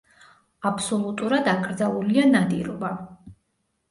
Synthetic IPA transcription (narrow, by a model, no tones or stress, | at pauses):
apʰsɔlˠut̪ʼuɾad̪aɡʼɾd̪zalˠulianad̪ḭɾɔba